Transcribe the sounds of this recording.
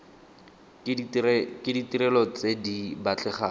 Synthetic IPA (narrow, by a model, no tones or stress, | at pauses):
kɪditiɾɛlɔt͡sedibat͡ɬɛχaː